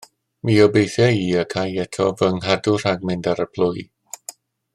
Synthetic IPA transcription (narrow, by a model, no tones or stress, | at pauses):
miːɔbejθjaiːəkʰajɛtʰɔvəŋɦadur̥aɡ̚mɛntaɾəpʰl̥ʊj